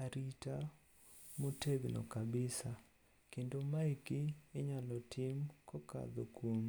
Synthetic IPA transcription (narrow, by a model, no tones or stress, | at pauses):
aɾita | moteɡno̰kabɪsa | kendomaikiːɲalɔtʰɪmkɔka̰d̪okwom